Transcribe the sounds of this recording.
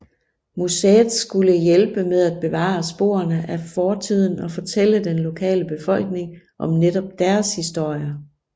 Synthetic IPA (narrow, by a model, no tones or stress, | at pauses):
museðˠsɡ̥uləjelb̥əmeð̞ˠæd̥̚b̥e̝ʋɑ̰̈sb̥o̝̰ːɐnəʔæfɒːt͡sʰið̞̰ˠn̩ɒ̽fɒ̽t͡sʰel̰əd̥enlo̝kʰɛ̰ːləb̥e̝fɒ̽l̰ɡ̥ne̝ŋ | ʔɒ̽mneɾɒ̽b̥̚d̥æɐshisd̥o̝ɐ̰jɐ